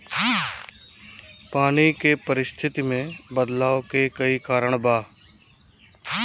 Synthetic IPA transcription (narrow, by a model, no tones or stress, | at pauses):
paːnikepɐɾɪst̪ʰɪt̪imẽbəd̪laːokekɐikaːɾəɽ̃baː